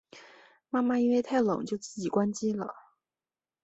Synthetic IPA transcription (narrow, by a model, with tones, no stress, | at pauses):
ma˥˩ma˨˧i˥nwe˥˧ɪt̪ʰa˥˩ɪlʊ̰˨˩˦ŋt͡ɕjo˥˧ʊt͡sɹ̩˥˩t͡ɕi˨˩kwa˥nt͡ɕi˥lə̰˨